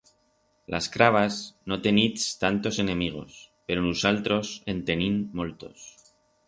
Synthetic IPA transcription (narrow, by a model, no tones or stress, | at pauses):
lʔaskɾaβ̞azno̞t̪e̞nit̪st̪ant̪o̞se̞nẽ̞miɣ̞o̞̰spe̞ɾonusalt̪ɾo̞se̞nt̪e̞nĩnmolt̪o̞̰s